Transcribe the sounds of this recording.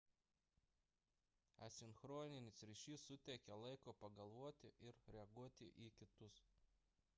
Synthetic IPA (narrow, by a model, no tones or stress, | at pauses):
ɐsʲɪnxɾoːnʲɪnʲɪsɾʲɪʃʲiːsːʊt̪ʲɛɪkʲɛlˠɐɪkoːpɐɡɐlˠʋuɔt̪ʲɪʔɪɾɾʲɛɐɡuɔt̪ʲɪʔiːkʲɪt̪ʊs